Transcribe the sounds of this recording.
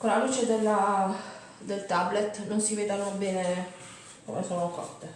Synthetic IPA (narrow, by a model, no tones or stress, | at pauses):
kolːaluːt͡ʃed̪elːa | d̪elt̪ablet̪ːnonsiveːd̪anobeːne | ko̰mesoːnokɔ̰t̪ːe